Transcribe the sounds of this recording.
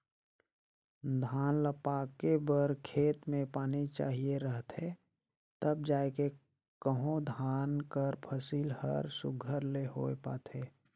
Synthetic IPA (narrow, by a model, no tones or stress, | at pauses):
d̪ʱaːnləpaːkebəɾkʰeːt̪mẽpaːnit͡ʃa̰ːɦieɾəɦt̪e | t̪əb̚d͡ʒaːeke | kəɦõd̪ʱaːnkəɾpʰəsiːlhə̰ɾsʊɡʱəɾleho̰ːepa̰ːt̪ɦeː